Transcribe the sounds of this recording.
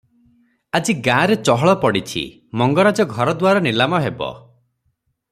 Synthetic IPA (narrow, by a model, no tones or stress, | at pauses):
ad͡ʒiɡãːɾet͡ʃɔɦɔɭɔpɔɽit͡ʃʰḭ | mɔŋɡɔɾad͡ʒɔɡʱɔɾɔd̪waɾɔnilamɔɦebɔ̰